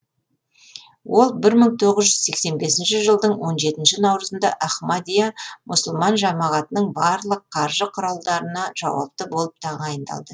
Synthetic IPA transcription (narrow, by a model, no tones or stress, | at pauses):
wʔo̞lˠbɪɾməɴt̪ʰo̞ʁəzʒʏz̥se̞kse̞nbe̞sɪnʃɪʒəlˠd̪əɴwo̞nʒe̞t̪ɪnʃɪnɑwɾəzənd̪ɑ̰ʔaχmad̪ijamʔʊsəlˠmɑnʒɑmɑʁɑt̪ənəɴbɑɾlˠəqʰːɑɾʒəqʰʊɾɑlˠd̪ɑɾənɑʒ̥ɑ̰wɑ̰p̚t̪əbo̞lˠəp̚t̪ʰɑʁɑjənd̪ɑ̰lˠd̪ə